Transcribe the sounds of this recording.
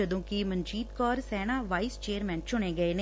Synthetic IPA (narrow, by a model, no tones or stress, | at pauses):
əd̪õːkimənd͡ʒiːt̪kɔːɾsɛːñaːʋaːist͡ʃeːəɾmɛ̃ːnt͡ʃʊɳ̃eːɡəeːne